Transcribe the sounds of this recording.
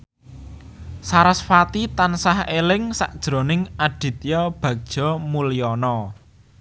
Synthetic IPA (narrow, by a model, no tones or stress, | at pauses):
saɾasfat̪it̪ansahelɪŋsaʔd̥ʒ̥ɾo̤nɪŋaɖ̥i̤t̪̚jɔb̥ä̤k̚d̥ʒ̥ɔ̤muliɔnɔ